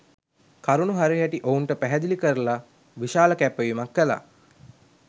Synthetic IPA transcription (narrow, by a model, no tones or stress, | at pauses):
kaɾunuɦaɾiɦæʈiʔounʈəpæɦɛd̪ilikəɾəla | ʋiʃaːləkæpːəʋimakʋəla̰